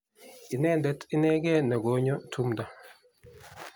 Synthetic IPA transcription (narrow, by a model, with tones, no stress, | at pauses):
i˨nɛ˦ndɛ˨˦ti˦nɛ˦ɡɛ˦nɛ˨ɡo˨˦ɲɔ˦tʰu˦mda˨